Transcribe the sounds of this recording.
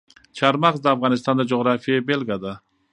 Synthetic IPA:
t͡ʃʰɑɾmɑqsd̪aːfʁɑnɪst̪ɑnd̪ad͡ʒoʁɾafijabelʲɡijad̪a

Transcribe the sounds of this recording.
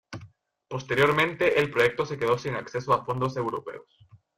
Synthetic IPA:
po̞st̪e̞ɾjo̞ɾmẽ̞nt̪e̞ʔːlpɾo̞je̞k̚t̪o̞se̞ke̞ðo̞siŋakse̞soafo̞nd̪o̞se̞wɾo̞pe̞̰os

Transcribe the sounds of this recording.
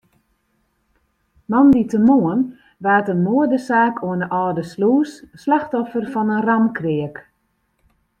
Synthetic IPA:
mɑnditəmoən | ʋaːtənmoədəsaːkʰoənəʔɔːdəsluːsːlaxtɔfərfɔnənramkrɪək

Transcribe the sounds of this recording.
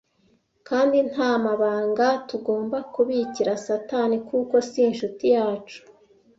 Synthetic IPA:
kaːndin̥haːmaβaːŋɡatuɡo̞ːmbakuβiciɾasatanikuko̞sinʃutijaːt͡ʃu̥

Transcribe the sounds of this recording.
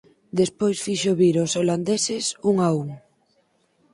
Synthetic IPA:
d̪espojsfiʃoβiɾosoland̪esesuŋauŋ

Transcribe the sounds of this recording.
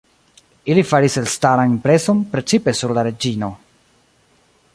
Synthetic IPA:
ilifaɾiselstaɾanimpɾe̞so̞npɾe̞t͡sipe̞suɾlaɾe̞d͡ʒino̞

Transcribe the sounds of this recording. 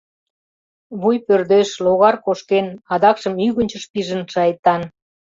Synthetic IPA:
βujpørd̪eʃloɣɑrkoʃkenɑd̪ɑkʃə̆myɣənʲt͡ɕə̆ʃpiʒə̆nʃɑjt̪ːɑn

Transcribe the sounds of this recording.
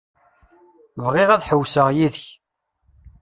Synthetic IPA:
vʁɪʁæðħəwsəʁjiðəç

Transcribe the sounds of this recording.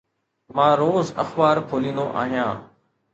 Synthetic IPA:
mãːɾoːzə̰xbaːɾpʰoːlĩːnd̪oʔa̰ːɦijãː

